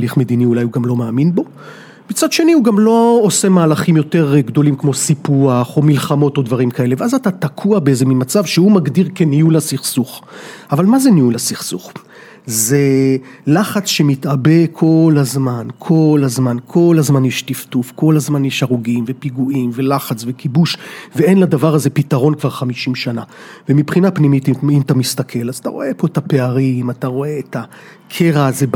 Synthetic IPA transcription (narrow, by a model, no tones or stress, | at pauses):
liχme̞d̪iniulajuɡamlo̞maːminbo̞ | mit͡sad̪ʃe̞nihuɡamlo̞ose̞maːlaχimjo̞te̞ʁɡdo̞limkmo̞sipuaχo̞milχamo̞todvaʁimkae̞leveazatatakʰuabeezeminmat͡savʃehumaɡdiʁkeniulasiχsuχavalmazeniulasiχsuχ | ze̞laχat͡sʃe̞mitʔabe̞kʰo̞lazmankʰo̞lazmankʰo̞lazmanjɛʃtiftufko̞lazmanjɛʃaʁuɡimve̞piɡuimve̞laχat͡sve̞kibuʃvee̞nladavaʁazepitaʁo̞nkvaʁχamiʃimʃana | vemipχinapnimitimatamist̪akʰe̞lazat̪a̰ʁo̞̰e̞po̞etape̞aʁimataʁo̞e̞ːta | kʰeʁaːze